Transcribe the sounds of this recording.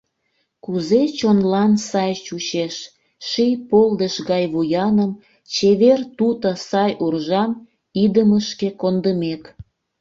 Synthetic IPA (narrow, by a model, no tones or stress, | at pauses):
kuzet͡ɕonlɑnsɑjt͡ɕut͡ɕeʃ | ʃijpold̪əʃɣɑjβujɑnəm | t͡ɕeβert̪ut̪əsɑjʔurʒɑm | id̪əməʃkekond̪əmek